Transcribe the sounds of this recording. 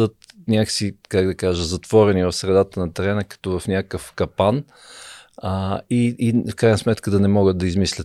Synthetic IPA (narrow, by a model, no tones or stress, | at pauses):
ət̪nʲaksikaɡd̪ɐkaʒəzɐt̪vɔɾɛnivɐfsɾɛd̪at̪ənɐt̪ɛɾɛnəkɐ̥t̪ɔvɐfnʲakəfkɐpan | iːfkɾajnəsmɛt̪kəd̪ɐnɛmɔɡət̪d̪ɐizmislʲət̪